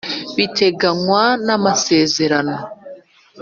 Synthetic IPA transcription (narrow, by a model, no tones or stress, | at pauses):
βite̞ɡaŋwanamase̞ːze̞ɾano̞